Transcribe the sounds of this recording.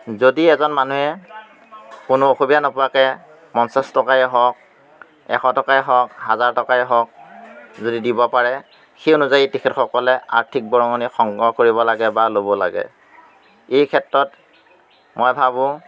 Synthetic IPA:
zodiɛzɔnmanuɛ | kʊnʊoxubidanɔpʊakɛ | mɔnsastɔkaɛɦɔk̚ | ɛ̰xɔtɔkaɛɦɔkɦazaɹtɔkaɛɦɔk̚zodidibɔpaɹɛ | xionuzajitikʰɛtxɔkɔlɛa̰ɹtʰik̚bɔɹɔŋɔnixɔŋɡɔkoɹibɔlaɡɛbalobɔla̰ɡɛ̰ | ejkʰɛtɹɔt | mɔjbʱabʊ̃

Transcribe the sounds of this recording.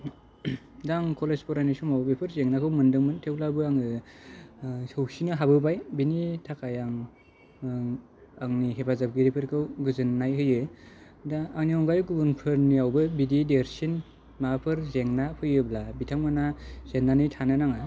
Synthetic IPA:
daŋkʰɔlespɔɾanisumawbepʰɯɾzeŋnakʰɯwmɯndɯŋmɯntʰewlabɯaŋɯ | sɯwsinɯɦabɯbajbinitʰakajaŋ | aŋniɦebazab̚ɡiɾipʰɯɾkʰɯwɡɯzɯnːajɦɯjɯ | daːŋniɔŋɡajɡubunpʰɯɾniawbɯbidideɾsin | mapʰɯɾzeŋnapʰɯjɯblabitʰaŋmanaz̥enːanɯjtʰanɯnaŋa

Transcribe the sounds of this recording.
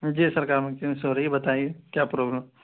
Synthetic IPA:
d͡ʒiːsɐɾkaːɾmẽkẽsoɾɐɦibɐt̪aːĩekjaːpɾoːbləm

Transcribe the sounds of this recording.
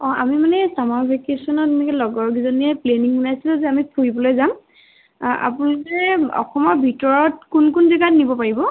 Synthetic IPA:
ɔ̃amimanɛsamaɹpʰikesɔnɔmɛkɛlɔɡɔɹɡizɔniɛpleniŋunajsilɛzɛamipʰuɹibɔlojzam | ʔa̰pulʊkɛɔ̰xɔmɔɹbʱitɔɹɔtkunkunzɛɡatnibɔpaɹibɔ

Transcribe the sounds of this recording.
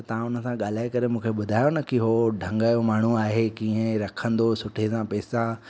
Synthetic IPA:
t̪ɐʋ̤ãʊnə̆sãɠaːl̤aːekɐɾemũːkʰeɓʊd̪ʱaːjonɐkʰiɦoɖʱɐ̃ŋɡəjomaːɳ̤uaːɦekĩːə̃ɾɐkʰə̃nd̪osʊʈʰesãpɛːsa

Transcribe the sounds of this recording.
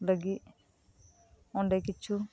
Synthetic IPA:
ləɡi | oɳɖekɪt͡ʃʰːu

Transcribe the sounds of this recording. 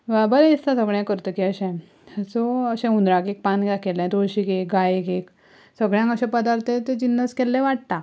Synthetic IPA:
bəɾɛ̃ist̪asəɡɭjɛ̃kəɾt̪əkiəɕɛ̃ | t͡soəɕɛ̃und̪ɾãkek̚pãnɡjakelɛ̃d̪oɭɕikekɡajekek | səɡɭjãkəɕɛ̃pəd̪aɾt̪ʰẽt̪ed͡ʑinːəskɛlːɛʋaʈ̚t̪a

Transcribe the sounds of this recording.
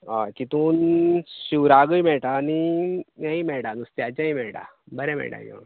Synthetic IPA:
a̰kit̪uːnɕiʋɾaɡəjmɛɭʈaːniaimɛɭʈanust̪jat͡ɕãimɛɭʈa̰ | bəɾɛ̃mɛ̰ɭʈa̰jɛ̰

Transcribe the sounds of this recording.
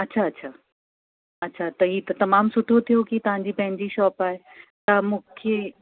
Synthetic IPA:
ɐtːɕʰaɐtːɕʰaː | ɐtːɕʰat̪ɐɦiːt̪ɐt̪ɐmaːmsʊʈ̪ʰːot̪ʰijokit̪ɐʋ̤ãɲ̆d͡ʑipɐ̃ɦɪ̃ɲd͡ʑiʃɔːpaːɦe | t̪ɐmũːkʰe

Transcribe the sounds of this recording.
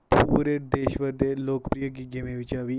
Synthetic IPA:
puːɾed̪eːʃʋəɾd̪eloːkpɾijək̬iɡemẽʋɪt͡ʃaːʋi

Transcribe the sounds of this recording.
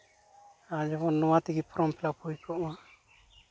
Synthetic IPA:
ad͡ʒɔbɔnːɔwat̪iɡipʰɔɾɔmpʰɛlapʰujpʰɔʔwa

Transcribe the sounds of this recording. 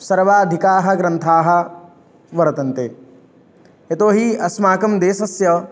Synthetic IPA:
sɐɾʋaːɐd̪ʱikaːɦɐ̆ɡɾɐnt̪ʰaːɦɐ̆ | ʋɐɾɐt̪ɐnt̪eː | et̪oːɦiɐsmaːkɐmd̪eːsɐsjɐ

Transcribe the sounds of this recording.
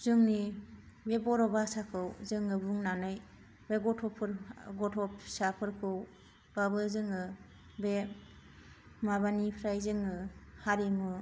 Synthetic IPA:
zɯŋni | bebɔɾɔbasakʰɯwzɯŋɯbuŋnanɯj | beɡɔtʰɔpʰɯɾɡɔtʰɔpsapʰɯɾkʰɯw | b̥abɯzɯŋɯ | be | maβanipʰɾajzɯŋɯhaɾimɯ

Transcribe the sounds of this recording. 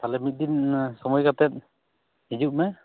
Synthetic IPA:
t̪alɛmit̪̚d̪insɔmɔjkat̪ɛt̪̚ | id͡ʒuʔ̚mɛ

